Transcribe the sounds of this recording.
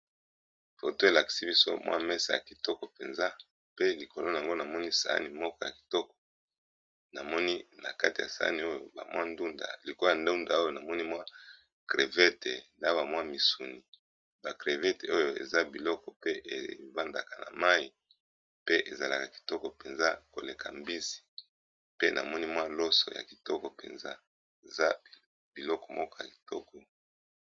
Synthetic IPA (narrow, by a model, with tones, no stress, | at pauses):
fo˨to˦e˨la˨ki̥˨si˦bi˦so̰˦mwa̰˦mɛ˦sa˨ja̰˨ki˨tɔ˦kɔ˨pe˨nza˦ | pe˦li˨ko˨lo˦˨a˨ŋɡo˦na˨mɔ˦ni˦sa̰˨˦a̰˦ni˨mɔ˦kɔ˦ja̰˨ki̥˨tɔ˦kɔ̥˨ | na˨mɔ˦ni˦na̰˨ka˦ti˨a̰˨sa̰˨a̰˦ni˨o˦jo˨ba̰˨mwa˦ndu˦nda̰˨li˨ko˦a˨nda˦u˦nda˨o˦jo˦˨na˨mɔ˦ni˦mwa˦ | kʁe˨vɛ˦te˨nda˦ba˨mwa˦mi˨su˨ni˨ | ba˨kʁe˨vɛ˦te˨o˦jo˨e˨za˦bi˨lɔ˦kɔ˨pe˦ʔḛ˨ba˦nda˨ka˨na̰˨ma˦i˨ | pe˦ʔe˨za˨la̰˨ka˨ki̥˨tɔ˦kɔ˨pe˨nza˦ko̰˨le˨kʰa̰˨mbi˦si̥˨ | pe˦nʔa̰˨mɔ˦ni˦mwa˦lo˦sɔ̰˨ja̰˨ki̥˨tɔ˦kɔ˨pḛ˨nza̰˦ | e˨za˦ | b̥i˨lɔ˦kɔ̥˨mɔ˦kɔ˦ja˨ki̥˨tɔ˦kɔ˨